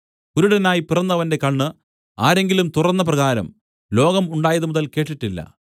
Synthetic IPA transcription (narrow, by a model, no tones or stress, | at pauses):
kuɾuɽɐnaːjipirɐnːɐʋɐnde̞kɐɳɳːɨ | a̰ːɾe̞ŋɡilumt̪urɐnːɐp̬rɐɣaːɾɐ̰m | lo̞ːɡɐmuɳɖaːjɐðumuðɐlke̞ːʈːiʈːilːɐ̰